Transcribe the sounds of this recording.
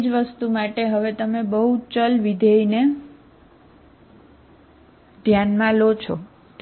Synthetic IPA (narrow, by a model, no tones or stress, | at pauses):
d͡ʒʋəst̪umaʈeɦəʋet̪əmebəɦut͡ʃəlʋid̪ʱejne | d̪ʱjanmãlot͡ʃʰo | t̪